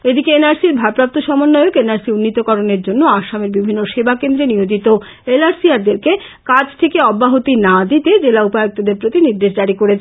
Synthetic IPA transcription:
ed̪ikeenaɾsiɾbʱapɾap̚t̪oʃɔmonːojokenaɾsiunːit̪okɔɾoneɾd͡ʑonːoaʃameɾbibʱinːoʃebakend̪ɾeniɦod͡ʑit̪o | elaɾsiaɾd̪eɾke | kad͡ʑt̪ʰekeɔbːaɦot̪inad̪it̪ed͡ʑelaupaeok̚t̪od̪eɾpɾot̪iniɾd̪eʃd̪aɽikoɾet͡ɕʰ

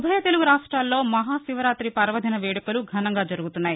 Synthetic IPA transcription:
bʱɐjɐt̪e̞luɡuɾaːʂʈɾaːlːo̞ːmɐɦaːsiʋɐɾaːt̪ɾipɐɾʋɐd̪ʱinɐʋeːɽɐkɐluɡʱɐnɐŋɡaːd͡ʒɐɾuɡut̪unːaːji

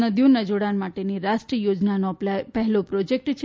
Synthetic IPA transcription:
nəd̪ʱjonəd͡ʒoɽanmaʈeniɾaʃʈɾəjod͡ʒnanoplapɛɦɛlopɾɔd͡ʒek̚ʈt͡ʃʰ

